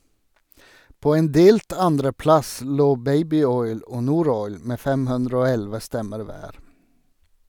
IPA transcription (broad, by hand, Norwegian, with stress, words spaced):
ˈpoː ˈeːn ˈdeːlt ˈɑndɾəˌplɑs ˈloː ˈbæɪbɪˌɔʏl ˈoː ˈnuːˌɾɔʏl ˈmeː ˈfɛm ˈhʉndɹə ˈoː ˈɛlʋə ˈstɛməɾ ˈʋæːɾ